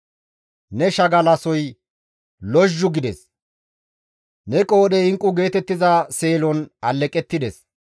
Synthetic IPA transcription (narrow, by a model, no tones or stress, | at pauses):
nɛʃɐɡɐlɐsɔj | lɔʒːʊɡɪd̪ɛs | nɛkʼoːɗɛɪŋkʼːʊɡe̞ːt̪ɛt̪ːɪzɐse̞ːlɔnɐlːɛkʼːɛt̪ːɪd̪ɛs